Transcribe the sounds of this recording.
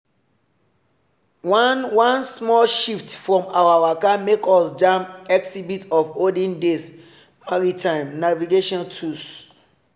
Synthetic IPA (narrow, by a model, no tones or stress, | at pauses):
wanwãnsmɔlʃiftfɹɔ̃mawawakamekɔsd͡ʒãmɛksibitɔfodĩndes | maɹitʰãɪ̃mnaviɡeʃɔ̃ntʰus